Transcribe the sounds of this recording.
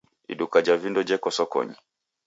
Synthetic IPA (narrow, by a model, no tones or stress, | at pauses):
ḭɗukad͡ʒavindɔd͡ʒɛkɔsɔkɔ̰ɲḭ